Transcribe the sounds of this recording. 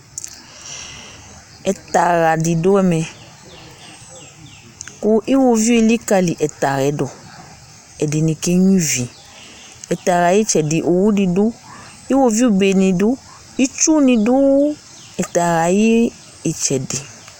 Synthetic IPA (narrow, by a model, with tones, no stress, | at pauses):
ɛ˨ta˨ɣa˨di˨do˦ɛ˦mɛ˨ | ku˦ʔi˦wo˧vi˦e˧˨li˦ka˧li˨ʔɛ˨ta˨ɾɛ˨˦dɔ˨ | ɛ˨de˨nĩ˧ke˦ɲĩ˦vi˨ | ɛ˨ta˨ɣa˨ji˦t͡ʃɛ˨dɪ˨ʔo˨wu˦di˨dʊ˦ | i˦wo˧vi˦o˦˨be˨nĩ˧dʊ˦ | i˦t͡ʃu˦nĩ˧dʊ˦ | ɛ˨t̪a˨ɾa˨jiː˦˨ | t͡ʃɛ˨de˨